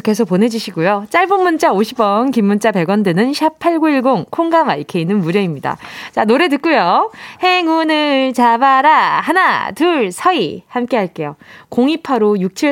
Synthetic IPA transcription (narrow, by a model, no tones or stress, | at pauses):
ke̞sʰok̚pone̞d͡ʑuɕʰiɡojot͡ɕ͈aɭbonmːunt͡ɕ͈aoɕʰibʌnkimːunt͡ɕ͈ape̞ɡwʌndenɯnɕʰapʰaɭɡoiɭɡoŋkʰoŋɡamaikʰe̞inːɯnmuɾjʌimɲida̰t͡ɕanoɾe̞t̬ɯk̚k͈ujohe̞ŋunɯɭt͡ɕabaɾahanatuɭsʰʌihamk͈e̞ɦaɭk͈e̞jokoŋipʰaɾojuk̚t͡ɕʰi